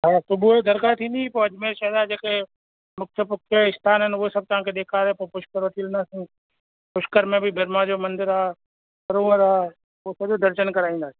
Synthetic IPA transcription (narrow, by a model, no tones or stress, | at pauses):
ɦaːsʊbud̪əɾkaɾt̪ʰĩːnd̪ipoɐd͡ʒmeːʃəɦd̪ad͡ʒeːke | mʊk̚t̪ʰəpʊkʰeɪst̪ʰaːnɦənʊesɐb̚t̪ɐɦãkʰed̪eːkʰaːd̪epɐpʊʃkəɾʋət̪ʰilə̃nd̪aːsĩ | pʊʃkəɾmẽbʱɪbʱɐɾmad͡ʒoːmɐ̃nd̪ɪɾaː | pəɾoːəɾaː | osɐd͡ʒod̪əɾʃənkɐɾaːĩnd̪aːsĩ̥ː